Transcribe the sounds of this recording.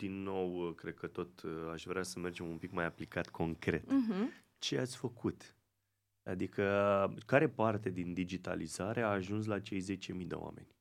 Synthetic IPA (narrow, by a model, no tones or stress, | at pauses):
d̪̥inːo̞wkɾe̞d̪̚kət̪o̞t̪aʃvɾeasəme̞rd͡ʒe̞mumpikmajaplikat̪kʰo̞ŋkɾe̞t̪ɦ̩ | t͡ʃe̞at̪sʲfəkut̪ | a̰d̪ikʰəkaɾe̞part̪e̞d̪ind̪id͡ʒit̪a̰lizaɾe̞aːʒuns̬lat͡ʃe̞jze̞t͡ʃe̞mid̪e̞̰oa̰me̞̰nʲ